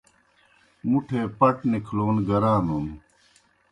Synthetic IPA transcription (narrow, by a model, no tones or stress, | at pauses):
muʈʰeːpɐʈnikʰloːnɡɐɾaːnom